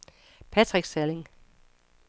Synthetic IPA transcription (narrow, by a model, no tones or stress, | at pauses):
pʰæt͡sʰʁiɡ̥sæle̝ŋ